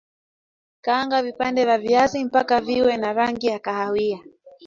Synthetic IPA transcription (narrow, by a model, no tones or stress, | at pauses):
kaːŋɡavipandɛvaviazim̩pakaviwɛnaɾaŋɡijakahawia